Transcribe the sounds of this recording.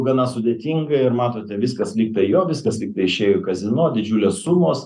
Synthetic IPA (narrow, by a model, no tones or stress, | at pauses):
ɡɐnɐsʊd̪ʲeːt̪ʲiːŋɡɐɪɾmɑːt̪oːt̪ʲɛʋʲɪskɐslʲiːk̚t̪ɐɪjoːʋʲɪskɐslʲiːkt̪ɐɪɪʃʲeːjoːkɐzʲɪnoːd̪ʲɪd͡ʒʲuːlʲeːssumoːs